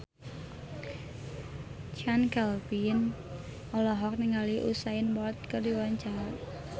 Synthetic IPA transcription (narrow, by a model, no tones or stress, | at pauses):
t͡ʃankalbin | ɔlɔɦɔk̚niŋaliʔṵsaɪnbɔlt̪̚kərdiwant͡ʃaan